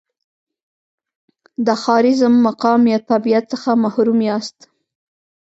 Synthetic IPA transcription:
d̪əxɑɾɪzmːaqɑmjɑt̪abijat̪t͡səxamahɾumjɑst̪

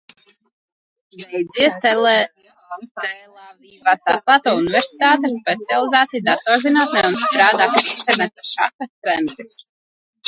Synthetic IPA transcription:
vɛjd̪ziɛst̪ɛl | t̪ɛlavivasa̰k̪̚lˠat̪ɔːuniveɾsi̥t̪aːt̪ɛspɛt̪sialˠizaːt̪ijd̪at̪ɔɾzinaːt̪nɛunst̪ɾaːd̪aːp̪int̪ɛɾnɛt̪aʃa̰kat̪ɛnt̪is

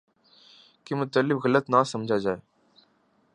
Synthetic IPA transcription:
kimʊt̪əlːɪfɣələt̪naːsəmd͡ʒʱaːd͡ʒaːeː

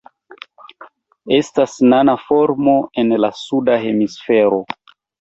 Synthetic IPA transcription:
e̞stasnanafo̞ɾmo̞e̞nlasudaɦe̞misfe̞ɾo̞

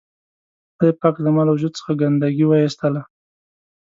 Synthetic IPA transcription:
ad̪epɑkd̪əmɑlawʒud̪̚t͡sə̥xaɡand̪aɡiwaist̪əla

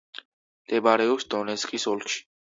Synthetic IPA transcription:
mt̪ʼɛbaɾɛɔpsd̪ɔnɛt̪skʼisɔlkʰʃi̥

